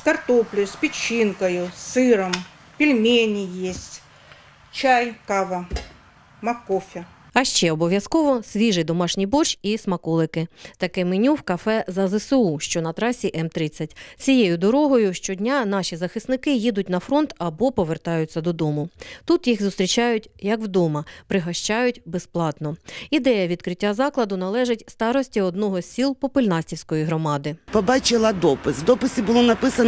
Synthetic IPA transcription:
skɐrt̪ɔplʲɪjʊsʲpʲɪt͡ʃːinkɐjʊsɪɾɐm | pʲilʲmʲenʲijesʲtʲ | t͡ʃajkaʋɐ | mɐkɔfʲɪ | ɐʃt͡ʃɛɔbɔʋʲjɐskɔʋɔsʲʋʲiʒɪjd̪ɔmɑʃnʲijbɔt͡ʃismɐkɔlˠɪkɪt̪ɐkɪmɪnʲuwkɐfɛzɐzɛsɪuʃt͡ʃɔnɐt̪ɾɑsʲiʔɛmt̪ɾɪt͡sʲːɐt̚ʲt͡sʲijejʊd̪ɔɾɔɦɔjʊʃt͡ʃɔdʲnʲanɑʃʲizɐxɪsnɪkɪjid̪ʊtʲnɐfɾɔnt̪ɐbɔpɔʋert̪ɑjʊt͡sʲːɐd̪ɔd̪ɔmʊt̪ut̪jiɣzʊst̪ʲɾʲit͡ʃɑjʊtʲjɐkwd̪ɔmɐpɾɪɦɐʃt͡ʃɑjʊtʲbesplˠɑt̪nɔid̪ɛjɐʋʲid̪̚kɾɪtʲːazɑklˠɐd̪ʊnɐlˠɛʒɪtʲst̪ɑɾɔsʲtʲiɔd̪nɔɦɔsʲsʲilˠpɔpɪlʲnɑsʲtʲiwsʲkɔjiɦɾɔmɑd̪ɪpɔbɑt͡ʃɪlˠɐd̪ɔpɪswd̪ɔpɪsʲibʊlˠɔnɐpɪsɐn

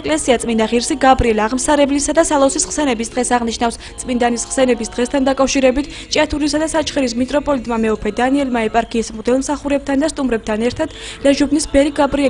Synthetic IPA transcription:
kʼlɛsiat̪sʼmind̪aʁiɾsiɡabɾiɛlaʁmsaɾɛblisad̪asalˠɔsisχsɛnɛbisd̪ʁɛsaʁniʃnafst̪sʼmind̪anisχsɛnɛbisd̪̥ʁɛst̪ʰand̪akʼafʃiɾɛbit̪ʰ | t͡ʃʼat̪ʰuɾisad̪asat͡ʃʰχɛɾis̬mit̪ʼɾɔpʼɔlit̪ʼmamɛɔpʰɛd̪aniɛlmaɛpʼaɾkʰiːsmʁd̪ɛlˠmsaχuɾɛb̚t̪ʰand̪ast̪ʼumɾɛb̚t̪ʰanɛɾt̪ʰad̪̥ | lɛʒubnisbɛɾiɡabɾiɛ

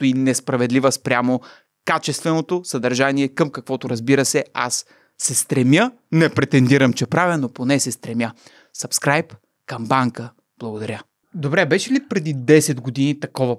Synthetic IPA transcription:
inɛspɾɐvɛd̪livəspɾʲamo | kat͡ʃɛst̪vɛnot̪osɐd̪ɐɾʒaniɛkəmkɐkvɔt̪oɾɐzbiɾəsɛa̰sː | ɛst̪ɾɛmjə | nɛpɾɛt̪ɛnd̪iɾəmt͡ʃɛpɾavɛnoponɛsɛst̪ɾɛmjə | sɐpskɾajp | kəmbaŋkə | b̥lˠɐɡod̪ɐɾʲə | d̪obɾɛbɛʃɛlipɾɛd̪id̪ɛsɛd̪ɡod̪init̪ɐkɔvɐ

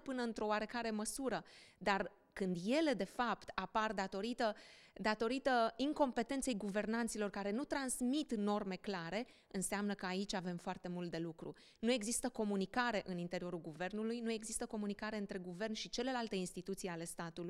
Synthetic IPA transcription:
pɨnəɨnt̪ɾo̞oaɾe̞kaɾe̞məsuɾəd̪ar | kɨnd̪je̞le̞d̪e̞fapt̪apard̪at̪o̞ɾit̪əd̪at̪o̞ɾit̪əiŋko̞mpe̞t̪e̞nt̪se̞jɡuve̞rnant̪silo̞rkaɾe̞nut̪ɾansmit̪no̞rme̞klaɾe̞ | ɨnseamnəkəait͡ʃʲave̞mfoart̪e̞mult̪̚d̪e̞lukɾṵ | nue̞ɡzist̪əko̞munikaɾe̞ʔɨnint̪e̞ɾio̞ɾulɡuve̞rnulujnue̞ɡzist̪əko̞munikaɾeɨnt̪ɾe̞ɡuve̞rnʃit͡ʃe̞le̞lalt̪e̞inst̪it̪ut̪sijale̞st̪at̪ul

